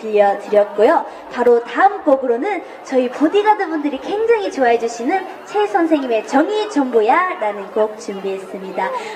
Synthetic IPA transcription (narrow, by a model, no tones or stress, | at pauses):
tɯʎːʌtɯɾjʌt̚k͈ojo | paɾotaɯmk͈ʌɡɯɾonɯn | t͡ɕʌipodiɡadɯnbundɯɾike̞ŋd͡ʑaŋɦit͡ɕoaɦe̞d͡ʑuɕʰinɯn | t͡ɕʰe̞sʰʌnsʰe̞ŋɲime̞t͡ɕʌŋit͡ɕʌŋbojaɾanɯnkok̚t͡ɕumbiɦe̞s͈ɯmɲida